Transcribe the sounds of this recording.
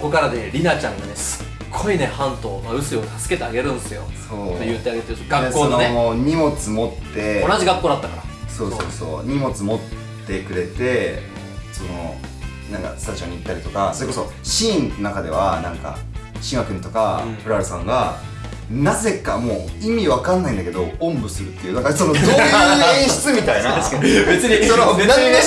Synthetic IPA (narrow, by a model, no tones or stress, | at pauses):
ko̞kaɾad̪eɾʲinat͡ɕãŋɡane̞sɨ̥ | ɡ̥ːo̞ine̞hãnt̪o̞ːmaɯ̟sɨiot̪asɨ̥ke̞t̪e̞aɡe̞ɾɯ̟̃nd̪esɨjo̞so̞ːejɯt̪ːeaɡe̞t̪eɾɯ̟t̪oɡaknekːoːoeoɲ̟imo̞t͡sɨmo̞t̪ːe̞onaʑiɡakːoːd̪at̪ːakaɾaso̞ːso̞̰ːso̰ːɲ̟imo̞t͡sɨmo̞t̪ː | e̞kɯ̟ɾe̞t̪e̞ | sono̰ | nãŋka̰sɨ̥t̪aʑioɲ̟iːt̪ːaɾʲit̪o̞kasoɾe̞ko̞so̞ | ɕĩːnnakad̪e̞̰βa̰nãŋka̰ɕiŋɡakɯ̟ɲ̟it̪o̞kaɸɯ̟ɾaɾɯsã̰ŋɡa | naze̞kamo̞ːimʲiβakãnːaĩnd̪ake̞d̪o̞õ̞mbɯ̟sɨɾɯ̟t̪ːe̞iɯ̟ːnaŋkaso̞nod̪oẽɕi̥t͡sɨmʲit̪ainabet͡sɨɲisononae